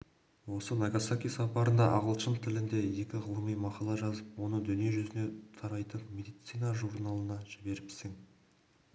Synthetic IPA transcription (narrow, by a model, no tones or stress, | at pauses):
wo̞sənaɡasakʲijsɑpɑɾənd̪ɑ̰ʔɑʁəlˠʃənt̪ʰɪlɪnd̪e̞je̞kʲɪʁəlˠəmijmɑqɑlˠɑʒɑzəpwo̞nəd̪ʏnije̞ʒʏzɪne̞t̪ʰɑɾɑjt̪ənmʲe̞d̪ijt̪sijnaʒuɾnalˠənɑʒɪbe̞ɾɪbɪ̥seŋ